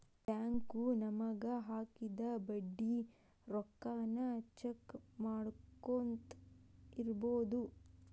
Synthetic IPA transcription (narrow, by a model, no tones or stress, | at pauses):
ʈjaːŋkunɐmɐɡɐɦaːkid̪ɐbɐɖːi | ɾɔkːaːnɐt͡ʃekmaːɽkːont̪iɾboːd̪u